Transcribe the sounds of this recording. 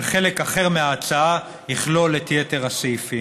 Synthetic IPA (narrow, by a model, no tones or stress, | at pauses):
lχe̞le̞kaχeʁmeaːt͡saa | jiχlo̞letjete̞ʁasejfi